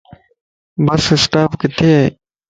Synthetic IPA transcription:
bɐsɪsʈaːfkɪt̪ʰeː

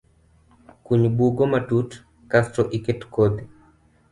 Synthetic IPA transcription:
kuɲbuɡomatut | kastoʔiketkod̪i

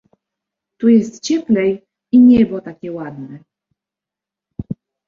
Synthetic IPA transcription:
t̪ujɛst̪t͡ɕɛplɛj | iɲɛbɔt̪akʲɛwad̪nɛ

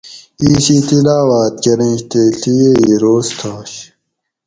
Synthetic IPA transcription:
iːsit̪ilaːwaːt̪̚kɐɾẽnɕt̪ʰeɬieiɾoːst̪ʰaːɕ

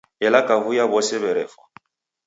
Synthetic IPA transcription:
ɛlakavujabɔsɛβɛɾɛfɔ

